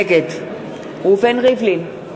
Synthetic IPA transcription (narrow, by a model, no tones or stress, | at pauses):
kɛtʰ | ʊfɛnɣeflɪn